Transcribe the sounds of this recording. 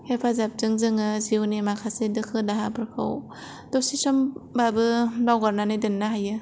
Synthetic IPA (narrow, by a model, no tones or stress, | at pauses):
hepʰazap̚zɯŋzɯŋɯziwnimakʰasedɯkʰɯdaɦabɯɾkʰɯ̰w | dɔsisɔmbabɯlawɡɔɾnanidɯnːaɦajɯ